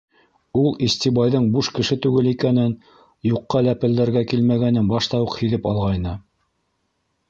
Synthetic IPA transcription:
ulˠisʲt̪ibɑjðɤɴbuʃkɘ̆ʃɘt̪ʉɡɘlikænɘn | juqːɑlæpɘ̆ld̪æɾɡækilmæɡænɘnbɑʃt̪ɑwuqhĭðɘpɑlˠʁɑjnɤ

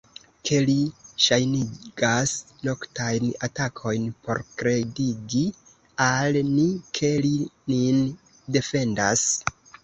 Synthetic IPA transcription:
kʰe̞liʃajniɡ̥as | no̞ktajnatakʰo̞jnpo̞̰ɾkɾe̞diɡi | alnikʰe̞linin | de̞fe̞ndas

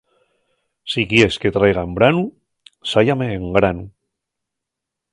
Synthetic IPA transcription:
sikjesket̪ɾajɣaembɾanu | sajameːŋɡɾanu

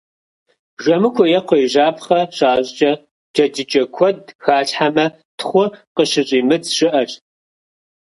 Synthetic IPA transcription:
ʒʷɐmɨkʷʰɔjɛqʷɔjʒaːpχɐɕaːɕʷʼt͡ʃʼɐ | d͡ʒ̥ɐd͡ʒɪt͡ʃʼɐkʷʰɔdxaːɬʼħamɐ | tʰχʷʊqəʃɨɕʼiːmɨd͡zʃɨʔɐɕ

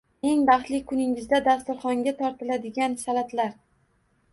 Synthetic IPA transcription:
e̞ŋbɑχt̪lɪkʰʊnɪŋɪzd̪ad̪ast̪ʊɾχɒŋɡʲat̪ʰɒɾt̪ʰɪlad̪ɪɡʲansalat̪laɾ

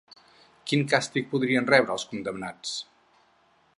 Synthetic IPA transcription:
kiŋkast̪ik̚puðɾiənrɛβɾəːlˠskund̪əmnat͡s

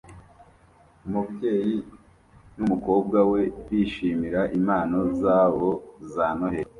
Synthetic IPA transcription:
umubɟe̞ːji | numuko̞ːb̚ɡawe̞wiʃiːmiɾaʔimaːno̞zaβozaːnoheɾ

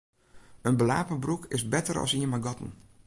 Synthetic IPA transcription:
ənbəla̰ːpəbrukʰɪsbɛtəɾɔ̰siəmaɡɔtən̩

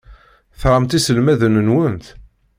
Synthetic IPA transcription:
θɾˤəmt̪isəlmæðənənwənt̪

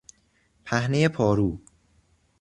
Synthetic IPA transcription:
pʰæhnejepʰɒːɾuː

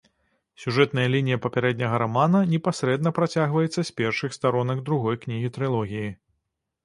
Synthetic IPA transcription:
sʲuʐɛt̪nɐjɐlʲinʲijɐpɐpʲɛɾɛd̪ʲnʲɐɣɐɾamanɐnʲɛpasʲɾɛd̪nɐpɾat͡sʲaɣvɐjɛt̪sːɐsʲpʲɛrʂɨxst̪aɾɔnɐɡd̪ɾuɣɔjknʲiɣʲit̪ɾɨlˠɔɣʲiji

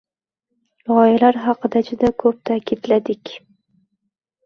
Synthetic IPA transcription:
lɒjalaɾɦɑqɨd̪ad͡ʒʊd̪akʰɵp̚t̪ʰakʰʲid̪lad̪ɪkʲ

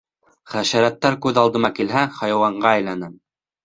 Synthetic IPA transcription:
χæʃæɾæt̪ːæɾkʉðɑlˠd̪ɤ̆mɑkilɦæχɑjɑwɑɴɢɑæjlænɘ

